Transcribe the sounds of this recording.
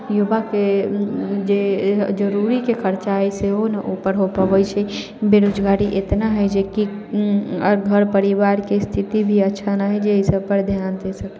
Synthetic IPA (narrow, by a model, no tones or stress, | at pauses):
jubake | d͡ʒed͡ʒəɾuɾikekʰəɾt͡ʃaɦɛseɦoneʔupəɾɦopəʋəjt͡ʃʰɛ | beɾod͡ʒɡaɾiʔet̪naɦəjd͡ʒeki | əɾɡʱəɾpəɾiʋaɾkest̪ʰit̪ibʱiətːʃʰanaɦɛd͡ʒeisəb̚pəɾd̪ʱjant̪ɛsəkɛ